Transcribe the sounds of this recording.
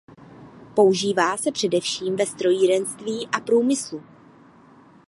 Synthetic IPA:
po̞uʒiːvaːsɛpr̝̥ɛdɛfʃiːmvɛst̪ɾo̞jiɾɛnst̪viːʔapɾuːmɪslu

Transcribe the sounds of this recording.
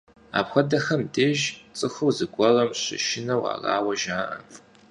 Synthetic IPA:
a̰ːpxʷɔdɐxɐmdeːʒt͡sʼɨxɨwzɨɡʷʼɔʁɐmɕɪ̰ʃɪnɐwa̰ːra̰ːwɐʒaːʔɐ̰

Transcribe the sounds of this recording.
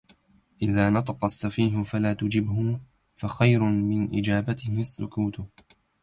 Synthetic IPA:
ʔɪðaːnɑt̪ˤɑqɑsːafiːɦʊfalaːt̪ʊd͡ʒɪbɦʊ | faxajɾʊmɪnʔɪ̰d͡ʒaːbat̪ɪhɪasːʊ̰kuːt̪ʊ

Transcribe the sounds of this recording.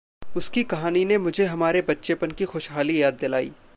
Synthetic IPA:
ʊskikɐɦaːninemʊd͡ʒʱeɦɐmaːɾebɐtːʃepənkixoːʃɦaːlijaːd̪ːɪlaːḭː

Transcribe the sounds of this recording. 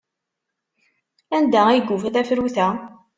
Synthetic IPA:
ænd̪æiɡufθæfɾuθæ

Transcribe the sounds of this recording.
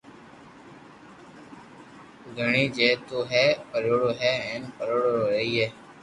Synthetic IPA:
ʊɡʱəɳĩːd͡ʒeːt̪oːɦɛːpəɾoːɽoːɦɛːɛ̃ːnpəɾoːɽooːɾəiːɦeː

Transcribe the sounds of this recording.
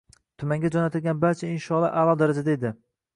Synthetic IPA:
t̪ʰʊmaŋɡʲad͡ʒɒnat̪ʰɪlɡʲanbaɾt͡ʃʰaɪnʃɒlˠɒʔalˠɒd̪aɾad͡ʒad̪aed̪ɪ

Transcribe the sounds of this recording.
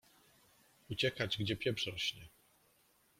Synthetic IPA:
ut͡ɕɛkad͡ʑɡd͡ʑɛpʲjɛbʂɾɔɕɲɛ

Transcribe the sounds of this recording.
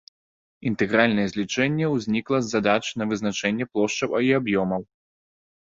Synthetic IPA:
int̪ɛɣɾalʲnɐjɛzʲlʲit͡ʂɛnʲːɛwzʲnʲiklˠɐzːad̪at͡ʂnɐvɨznat͡ʂɛnʲːɛplˠɔʂt͡ʂɐwɐiabjɔmɐw

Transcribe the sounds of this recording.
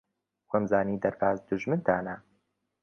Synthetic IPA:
xʷɐmzaːniːd̪ɐɾbaːzd̪uʒmɨnt̪ʰaːnɐ

